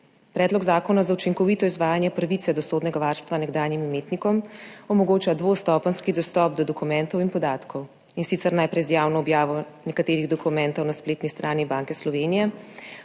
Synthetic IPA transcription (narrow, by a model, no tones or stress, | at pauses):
pɾɛːd̪lɔɡzaːkɔnazaut͡ʃiŋkɔʋiːt̪ɔizʋaːjanjɛpɾaʋit̪sɛd̪ɔsoːd̪nɛɡaʋaɾst̪ʋanɛɡd̪aːnjimimeːt̪nikɔmɔmɔɡoːt͡ʃad̪ʋost̪ɔpənskid̪ɔst̪ɔːp̚d̪ɔd̪ɔkumɛnt̪ɔwinpɔd̪aːt̪kʰɔw | insit̪sɛɾnajpɾɛjzjaːwnɔːbjaːʋɔnɛkat̪eːɾiɣd̪ɔkumɛnt̪ɔwnaspleːt̪nist̪ɾʔaːnibaːŋkɛslɔʋeːnijɛ